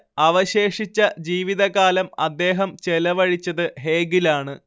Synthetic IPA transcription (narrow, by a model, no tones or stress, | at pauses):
ɐʋɐɕe̞ːʂit͡ɕːɐd͡ʑiːʋiðɐɣaːlɐmɐd̪ːe̞ːɦɐmt͡ɕelɐʋɐɻit͡ɕːɐðɨɦe̞ːɡilaːɳɨ